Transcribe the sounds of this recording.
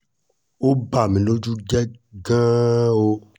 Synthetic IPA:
o˦ba˨mĩ˨lo˦d͡ʒu˦ɡɛ˦ɡã˦o˦

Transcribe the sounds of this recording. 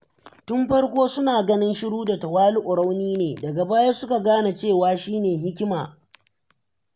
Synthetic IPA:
tʊ˦mɸɐ˦ɽkʷoː˦sʊ˦naː˨ɡɐ˦nɪ˦nʃɪ˦ɽuː˦da˨tɐ˨waː˦lu˦ʔʊ˨ɽa˦wniː˦neː˨dɐ˨ɡa˨baː˦jaː˦sʊ˦ka˨ɡaː˦na˨t͡ʃeː˦˨waː˨ʃiː˦neː˨ɦɪ˦kʲɪ˦maː˨

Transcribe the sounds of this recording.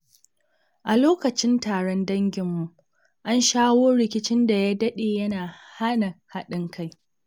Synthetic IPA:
ʔa˨loː˦kɐ˨t͡ʃɪ˦ntaː˨ɽɔ˦ndɐ˦ŋɡʲɪ˨mːu˨ʔ | ʔa˦nʃaː˦woː˦ɽɪ˨kʲɪ˦t͡ʃɪ˦nda˨jaː˦dɐ˦ɗeː˨jɐ˦naː˨ha˦na˨ha˦ɗɪ˦ŋkʰa˦j

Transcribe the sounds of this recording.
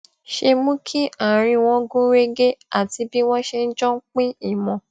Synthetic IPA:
ʃe˧mũ˦kʰi˦a˨ɾ̃ĩ˧w̃ɔ̃˦ɡũ˦ɾe˦ɡe˦a˦˨ti˧bi˦w̃ɔ̃˦ʃe˧n̩˦d͡ʒɔ̃˦k͡pĩ˦i˦˨mɔ̃˨

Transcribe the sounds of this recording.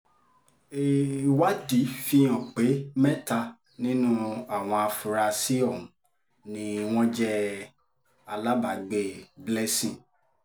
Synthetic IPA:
e˨wa˦di˨˦fi˧ɔ̃˨k͡pe˨˦mɛ̃˦ta˧ | nĩ˦nũ˦a˨w̃ɔ̃˧a˧fu˨ɾa˧si˦ɔ˦˨mũ˨ | nĩ˧w̃ɔ̃˦d͡ʒɛ˦ | a˧la˦ba˨ɡ͡be˨blɛ˦sĩ˦˨

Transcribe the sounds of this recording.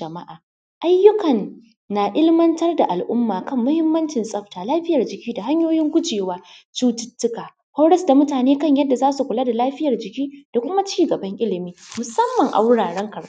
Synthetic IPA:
d͡ʒɐ˨ma˦ʔaː˨ | ʔa˦jːʊ˦kɐ˨nː | a˨ʔɪ˦lmɐ˦ntɐ˦rda˨ʔa˨lʔʊ˦mːaː˨kɐ˦mːʊ˦hɪ˦mːɐ˦nt͡ʃɪ˨nsʼɐ˦ɸtaː˨laː˦ɸɪ˦jɐ˨rd͡ʒɪ˨kʲiː˦da˨ɦa˦ɲjoː˦jɪ˦ŋkʷʊ˦t͡ʃeː˨waː˦t͡ʃuː˦tɪ̥˦tːʊ˦kaː˨ | ha˦wɽɐ˦sda˨mʊ˦taː˨neː˦kɐ˦˨ɲjɐ˦dːa˨zaː˦su˨kʷʊ˨laː˦da˨laː˦ɸɪ˦jɐ˨rd͡ʒɪ˨kʲiː˦d̥a˨kʷʊ˦ma˦t͡ʃiː˦˨ɡɐ˨bɐ˦ŋʔɪ˦lɪ˨miː˦mʊ˨sɐ˦mːɐ˨ŋʔa̰˨wʊ˦ɽaː˨ɽɐ˦ŋkɐ˨r

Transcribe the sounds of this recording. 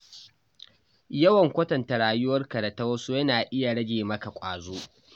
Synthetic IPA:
jɐ˦wɐ˨ŋkʷɐ˦tɐ˨nta˨ɽaː˨jʊ˦wɐ˦rkɐ˨da˨tɐ˦wɐ˦su˦jɐ˦naː˨ʔɪ˦ja˨ɽɐ˦ɡʲeː˨mɐ˦ka˨kʷʼaː˨zoː˦

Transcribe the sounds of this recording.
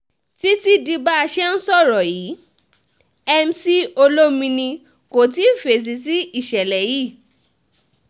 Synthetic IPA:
ti˦ti˦di˧ba˦a˧ʃɛ˦n̩˦sɔ˦˨ɾɔ˨jiː˨˦ | ɛ˧m̩˦si˦o˧lo˦mĩ˧nĩ˧ | ko˨ti˨˦˨fe˨s̬i˧˦ti˦i˦˨ʃɛ˨lɛ˨ji˦˨

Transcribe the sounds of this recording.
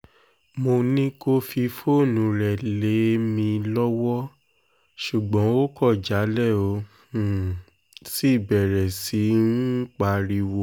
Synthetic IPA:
mo˧nĩ˦ko˦fi˧fo˦˨nũ˨˦ɾɛ˨le˨˦mĩ˧lɔ˦wɔ˦ | ʃu˨ɡ͡bɔ̃˨˦o˦kɔ˦˨d͡ʒa˨˦lɛ˦˨o˨˧˦ | ũ˦˨ | si˦˨bɛ˨ɾɛ˨si˨˦n̩˦k͡pa˧˦ɾi˦˧wo˧˦

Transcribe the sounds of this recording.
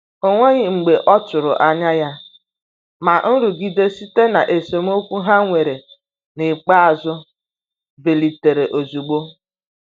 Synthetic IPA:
o˦ŋʷe˦ɲɪ˨ŋ͡m̩˨ɡ͡be˨ʔɔ˦t͡ʃʊ˨ɾʊ̰˨ʔa˦ɲa˦ja˦ | ma˨n̩˦ɾu˨ɡi˨de˦si˦te˦na˨ʔe˨so˨m˦o˦kʷu˦ɦa˦ŋʷe˨ɾe˨ | nɪ˨k͡pa˦a˨zʊ˦ | be˨li˨te˨ɾe˨ʔo˨zu˨ɡ͡bo˦

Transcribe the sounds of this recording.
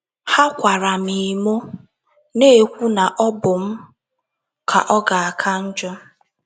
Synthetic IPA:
ha˦kʷa˨ɾa˨mi˨mo˦ | ne˦e˨kʷu˦na˨ʔɔ˦bʊ˨m̩˦ | kʰa̰˨ʔɔ˦ɡa˨a˨kʰa˦n̩˦d͡ʒɔ˦

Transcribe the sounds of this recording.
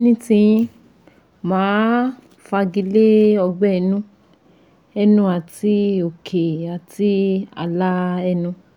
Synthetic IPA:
nĩ˦tĩ˧ĩ˦ | mãː˨˦ | fa˧ɡi˧˦le˦ɔ˧ɡ͡bɛ˦ɛ˧nũ˦ | ɛ˦˧nũ˧˦a˨ti˦o˨kʰe˨a˨ti˦a̰˧la˦ɛ˧nũ˧

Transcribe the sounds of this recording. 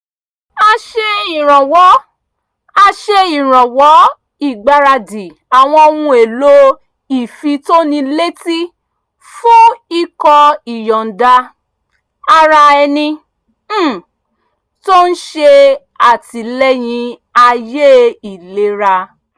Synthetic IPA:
a˧ʃe˧i˨ɾ̃ɔ̃˨wɔ˨˦ | a˧ʃe˧i˨ɾ̃ɔ̃˨wɔ˨˦ | i˦˨ɡ͡ba˧ɾa˧di˨ | a˨w̃ɔ̃˧o˧nũ˧e˨lo˦ | i˨fi˧to˦nĩ˧le˦ti˦ | fũ˦i˦˧kɔ˧i˨jɔ˨n̩˨da˧ | a˧ɾa˧ɛ˧nĩ˧˦˨ | to˦n̩˦ʃe˧ | a˨ti˨lɛ˦j̃ĩ˧a˧je˦i˨le˧ɾa˧

